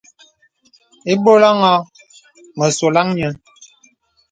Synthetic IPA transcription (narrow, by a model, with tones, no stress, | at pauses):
e˦bo˦la˦ŋɔ˦ | mə˨so˨la˦ŋɲə˨˦